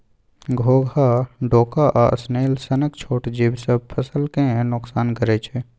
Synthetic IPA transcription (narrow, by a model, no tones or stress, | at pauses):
ɡʱoːɡʱaɖoːkaʔa̰sneːlsənəkt͡ʃʰoːʈd͡ʒibsəb̚pʰəsəlkẽnʊksaːnkəɾet͡ʃʰe